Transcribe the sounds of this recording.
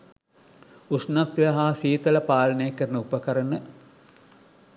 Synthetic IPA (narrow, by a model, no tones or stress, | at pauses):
usnat̪ʋejaɦaːsiːt̪ələpaːlənəjəkːəɾənəupəkɐɾənə